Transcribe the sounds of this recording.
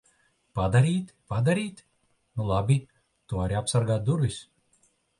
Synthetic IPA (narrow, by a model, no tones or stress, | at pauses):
pad̪aɾʲiːt̪pad̪aɾʲiːt̪ʲ | nulˠabʲi | t̪uaɾʲiapsaɾɡaːt̪̚d̪uɾvʲisʲ